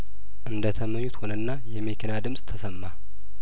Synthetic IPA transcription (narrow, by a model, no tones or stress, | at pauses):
ʔɨnd̪ət̪ʰəməɲːut̪ho̞nənːajɛmekʰinad̪ɨmsʼt̪ʰəsəmːa